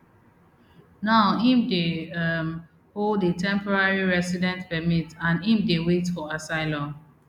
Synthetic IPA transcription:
naʊhĩmdeʌm | hodətʰɛ̃mpɔɹaɹiɹɛsidɛ̃ntpɛmitãnĩmdewetfɔasaɪlɔ̃n

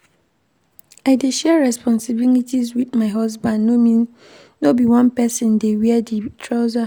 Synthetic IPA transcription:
aɪdɪdʃɛɹɛspʰɔ̃nsɪbilitizwiθmãɦɔzbãnnomĩn | nobiwãnpɛsɪ̃ndewiɛditʰɹaʊza

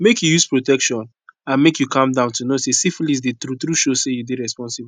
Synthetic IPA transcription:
mekjujuspɹotɛkʃɔ̃n | ãnmekjukãmdãʊ̃ntunosesiflisdetɾut̪ɾuʃosejudeɹɛspɔ̃nsibu

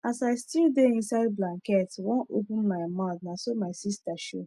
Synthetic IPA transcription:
asajstildeĩnsajdblãŋkɛtwɔ̃opũnmajmãdnãsomajsistaʃo

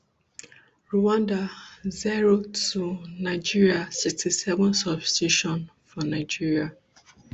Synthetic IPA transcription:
ɹuwãndaziɹotunaɪd͡ʒiɹiasiktisɛvɔ̃nsɔbstiʃɔ̃n | fɔnaɪd͡ʒiɹia

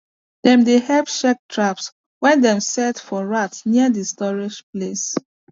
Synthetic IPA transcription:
dɛ̃mdehɛpʃɛk̚tʰɹaps | wɛ̃ndɛ̃msɛtfɔɹatniədistɔɹiʃples

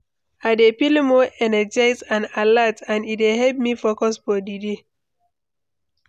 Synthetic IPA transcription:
adepilimoʔɛnɛd͡ʒaɪzãnalatãnitehɛlp̚mifokɔsfɔdide

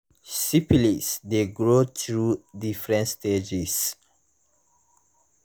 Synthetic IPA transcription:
sipilisdeɡɹotɹudifɹɛ̃ntsted͡ʒis

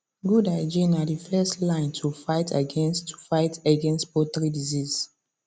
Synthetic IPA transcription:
ɡudaɪd͡ʒĩnadifɛstlãɪ̃ntʰufaɪtʰaɡɛ̃nstu̥faɪtaɡɛ̃nstpotɹidiziz

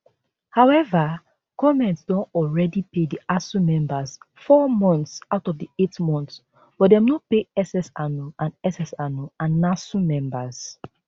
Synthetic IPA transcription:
haʊɛva | kɔmɛ̃ntsdõntɔlɹɛdipediasũmɛ̃mbaz | fɔmɔ̃ntsaʊtɔvdietmɔ̃nθs | b̥ɔdɛ̃mnɔpeɛsɛsanuãnɛsɛsanuãnːasũmɛ̃mbaz̥

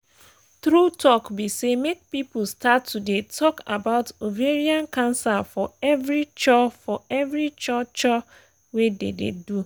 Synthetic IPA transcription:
tɾutɔkbisemek̚pip̩statːudetʰɔka̰baʊtoveɾiãnkãnsafɔɛvɾit͡ʃɔfɔɛvɾit͡ʃɔt͡ʃɔ | wedḛdḛdu

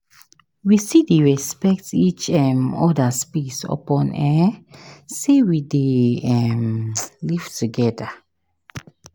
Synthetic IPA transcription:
wisideɹɛspɛk̚tit͡ʃɛmɔdaspisɔ̰pɔ̃nɛ | sewideɛmliv̥tuɡɛda

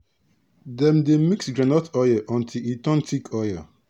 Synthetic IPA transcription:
dɛ̃mdemiksɡɹanɔtʰɔjəʔɔ̃ntʰilitɔ̃ntʰikʰɔjə

